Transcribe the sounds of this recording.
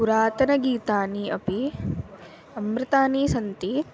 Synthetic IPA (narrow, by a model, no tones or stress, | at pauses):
uɾaːt̪ɐnɐɡiːt̪aːniɐpi | ɐmbɾɐt̪aːniːsɐnt̪i